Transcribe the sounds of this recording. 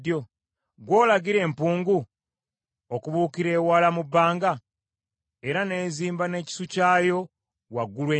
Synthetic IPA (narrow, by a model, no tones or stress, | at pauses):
jo | ɡwo̞ːlaɡiɾe̞ːmpuːŋɡu | okuβuːkiɾe̞ːwaːlamubːaːŋɡa | e̞ɾane̞ːziːmbane̞ːci̥sucaːjo̞ | waɡːulweː